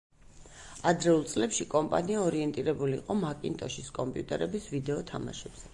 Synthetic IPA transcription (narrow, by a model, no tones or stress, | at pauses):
ad̪ɾɛulˠt̪sʼlɛpʃikʼɔmpʼa̰niaɔɾiɛnt̪ʼiɾɛbulḭːqʼɔmakʼint̪ʼɔʃiskʼɔmpʼijut̪ʼɛɾɛbisvid̪ɛɔt̪ʰa̰ma̰ʃɛb̥z̥ɛ